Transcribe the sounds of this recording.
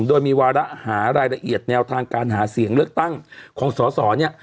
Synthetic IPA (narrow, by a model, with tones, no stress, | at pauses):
mdoː˧jmiː˧waː˧ɾa˦˥ʔhaː˩˦ɾaː˧jɾa˧ʔi˨˩ət̪̚nɛː˧wt̪ʰaː˧ŋkaː˧nɦaː˩˦si˨˩˦əŋlɯ˥˩ək̚t̪a˥˩ŋkʰɔː˩˦ŋsɔː˩˦sɔː˩˦ni˥˩ɐ